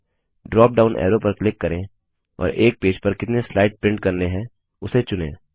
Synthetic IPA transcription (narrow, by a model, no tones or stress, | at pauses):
ɖɾɔːp̚ɖaːʊnʔɛ̰ːɾopɐɾklɪkːɐɾẽ | ɔ̰ːɾeːk̚peːd͡ʒpɐɾkɪt̪neslaːɪʈ̚pɾɪ̃ɳɖkɐɾneɦɛ̃ | ʊset͡ʃʊnḛ̃ː